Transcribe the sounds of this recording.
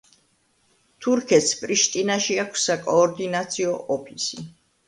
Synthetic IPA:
t̪ʰuɾkʰɛt̪spʼɾiʃt̪ʼinaʃiakʰsːakʼɔːɾd̪inat̪sʰiɔʔɔpʰisi

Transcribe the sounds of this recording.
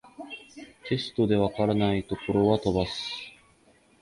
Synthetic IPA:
ke̞sɨ̥t̪o̞d̪e̞βakaɾanait̪o̞ko̞ɾo̞βat̪o̞basɨ̥

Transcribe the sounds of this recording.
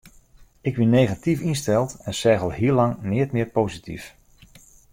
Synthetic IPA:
ɪkʋinejɣatifinstɛlˠtɛnsɛɣəlˠɦiəlɑŋnɪətmɪːpowzitʰḭf

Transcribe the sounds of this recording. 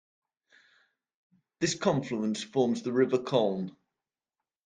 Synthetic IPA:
ðɪskʰɒ̃ɱfluə̃nsfɔːmzðəɹɪvəkʰɔʊn

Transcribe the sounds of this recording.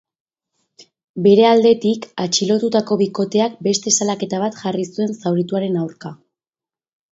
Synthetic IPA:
be̞ɾe̞ald̪e̞t̪ikat͡ʃilo̞t̪ut̪ako̞βiko̞t̪e̞ak̚be̞st̪e̞salake̞t̪aβat̪ʝarisue̞nsawɾit̪uaɾe̞nawɾka

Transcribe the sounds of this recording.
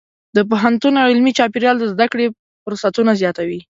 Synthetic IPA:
d̪əp̬oɦant̪unawɪlmit͡ʃɑpeɾjɑld̪əzd̪akɽe | fʊɾsat̪unazjɑt̪awi

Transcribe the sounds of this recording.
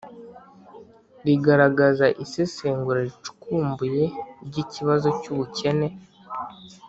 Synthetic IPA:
ɾiɡaɾaɡazaʔisiseːŋɡuɾaɾit͡ʃu̥kuːmbuje̞ɾɟiciβazo̞cuβuce̞ne̞

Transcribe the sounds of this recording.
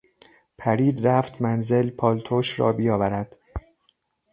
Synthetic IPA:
pʰæɾiːd̪ɾæft̪mænze̞lpʰɒːlt̪ʰoːʃɾɒ̰ːbijɒːvæɾæd̪̥

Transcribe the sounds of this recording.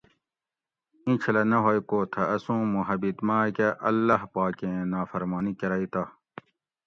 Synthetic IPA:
ĩt͡ɕʰɐlɐnɐɦojkoːt̪ʰɐɐsũːmuɦɐbit̪maːkɐʔɐlːɐhpaːkẽnaːfɐɾmaːnikɐɾɐːit̪a

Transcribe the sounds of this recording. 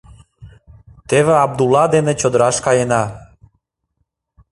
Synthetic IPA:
t̪eβeɑb̚d̪ulɑd̪enet͡ɕod̪əɾɑʃkɑjenɑ

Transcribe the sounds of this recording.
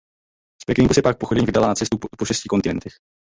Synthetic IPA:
spɛkɪŋɡusɛpak̚poxodɛɲivɪdalanat͡sɛst̪upoʃɛscɪko̞nt̪ɪnɛnt̪ɛx

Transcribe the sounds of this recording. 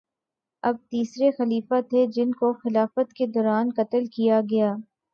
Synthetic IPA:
ɐb̚t̪iːsɾexɐliːfat̪ʰed͡ʒɪnkoxɪlaːfət̪ked̪ɔːɾaːnkɐt̪əlkijaɡɐjaː

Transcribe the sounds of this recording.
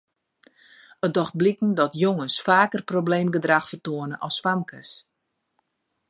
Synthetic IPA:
ət̚dɔxt̚blikn̩dɔtjoŋənsfaːkərprobleːmɡədraxfərtoənəʔɔsːʋamkəs

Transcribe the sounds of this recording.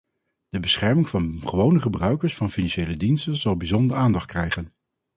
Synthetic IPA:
d̥əbəsχɛɹmɪŋvɑnχəʋownəχəbrœɥkəɹsfɑnfinɑnʃejlədinstənz̥ɑlˠbizɔndəɹaːndɑχt̚krɛjχən

